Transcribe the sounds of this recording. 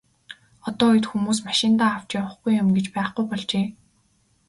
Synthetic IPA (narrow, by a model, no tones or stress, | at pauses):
ɔt̪ɔːuj̆t̪xumuːsmaʃɪ̆nt̪aːaw̥t͡ɕiʊ̆χɡujʊmɡet͡ɕpæːχɡujpɔɮt͡ɕeː